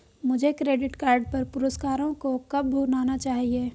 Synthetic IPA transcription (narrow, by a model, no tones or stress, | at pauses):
mʊd͡ʒʱekɾeːɖɪʈkaːɾɖpɐɾpʊɾəskaːɾõkokɐb̚bʱuːɾnaːnat͡ʃaːɦieː